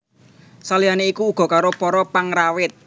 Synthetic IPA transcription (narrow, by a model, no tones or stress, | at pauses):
salianeikuːɡ̥ɔ̤kaɾopɔɾɔpaŋrawɪt̪̚